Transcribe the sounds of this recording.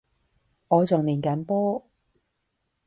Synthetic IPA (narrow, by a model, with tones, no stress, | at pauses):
ŋɔː˨˧t͡sʊ˨ŋliː˨˩nkɐ˨˥npɔː˥